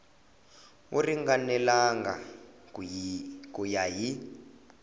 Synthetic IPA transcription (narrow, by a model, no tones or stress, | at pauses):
ṵriŋɡanɛlaŋɡa̰ | kujaji